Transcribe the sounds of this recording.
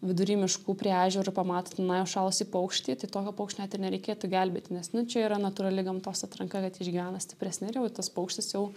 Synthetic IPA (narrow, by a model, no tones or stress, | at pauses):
ʋʲɪd̪ʊɾʲiːmʲɪʃkuːpʲɾʲiːɑːʒʲɛɾʊpɐmɑːt̪ot̪ʲɪnɐjɛʊʃɑːlˠosʲiːpɐʊkʃʲt̪ʲiːt̪ɐɪt̪oːkʲɛpoʊkʃʲt̪ʲnʲæːt̪ɪrnʲɛɾʲɛɪkʲeːt̪ʊɡʲɛlʲbʲeːt̪ʲɪnʲɛsnʊt͡ʃʲɛiːɾɐnɐt̪uːɾɐlʲɪɡɐmt̪oːsɐt̪ɾɐŋkɐkɐt̪ɪʒʲɡʲiːʋʲæːnɐsʲt̪ʲɪ̥pʲɾʲɛsʲnʲɪrjɛʊt̪ɐspɐʊkʃʲt̪ʲɪsjɛʊ